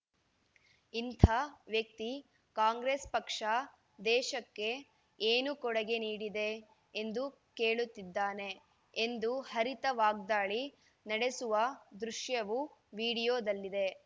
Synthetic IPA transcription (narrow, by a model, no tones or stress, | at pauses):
int̪ʰaːʋjɐk̚t̪i | kaːŋɡɾespɐkʂɐ | d̪ɛːʃɐkːe̞ | eːnukɔɽɐɡe̞niːɽid̪e̞ː | nd̪u | keːɭut̪ːid̪ːaːne̞ | end̪uhɐɾit̪ɐʋaːɡd̪aːɭi | nɐɽe̞suʋɐd̪ɾuʂjɐʋuʋiːɽijoːd̪ɐlːid̪e̞